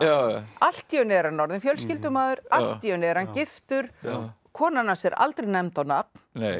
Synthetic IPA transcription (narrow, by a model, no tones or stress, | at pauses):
aal̥t̪ːiœnɪɛɾhanːɔɾðɪnfjœlscɪlt̪ʏmaːðʏɾal̥t̪ːijœnɪɛɾ̥hancɪft̪ʏɾ̥ | kʰɔːnanːasɛɾa̰lt̪ɾɛjnɛmt̪awnap̚nne